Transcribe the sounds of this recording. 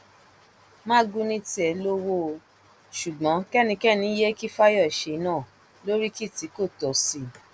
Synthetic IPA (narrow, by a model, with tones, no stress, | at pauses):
mã˦ɡũ˦nĩ˦ti˦ɛ˨lo˦wo˧ | ʃu˨ɡ͡bɔ̃˨˦kɛ˦nĩ˧kɛ˦˨nĩ˨˦je˦ki˦fa˦jɔ˦˨i˨ʃe˨˧˦nãː˦˨ | lo˦ɾi˦ki˦˨ti˨˦ko˦˨tɔ˨si˧